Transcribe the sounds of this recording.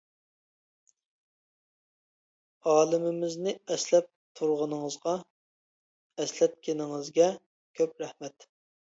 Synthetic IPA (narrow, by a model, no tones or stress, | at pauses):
ɑːlˠɪmɪmɪznɪɛslɛp̚t̪ʰuɾʁənɨŋəzʁɑ | ɛslɛp̪̚kʲʰenɪŋɨzɡʲɛ | kʲʰøp̚ɾɛhmɛt̪